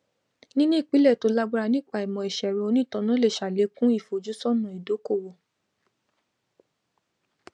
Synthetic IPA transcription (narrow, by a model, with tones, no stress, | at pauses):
nĩ˦nũ˦i˦˨k͡pi˨˦lɛ˦˨to˨˧la˦ɡ͡ba˦ɾa˧nĩ˦˨k͡pa˦˨i˨mɔ̃˨i˨ʃɛ˨ɾɛ˨˧o˧nĩ˦˨tɔ̃˧˦nã˨˦le˦˨ʃa˨le˨˦kũ˦i˦˨fo˨d͡ʒu˨˦sɔ˦˨nũ˨i˨do˨˦ko˦˨wo˨